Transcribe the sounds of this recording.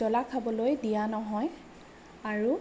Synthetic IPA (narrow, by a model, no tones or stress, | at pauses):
ɔlakʰabɔlojdijanɔɦɔj | aɹu